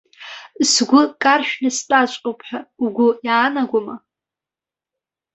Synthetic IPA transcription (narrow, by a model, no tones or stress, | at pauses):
sɡʷʊkʼarʃᶣnɨstʼat͡ʃʷʼqʼopʰʼħᶣauɡʷʊjaːnaɡʷama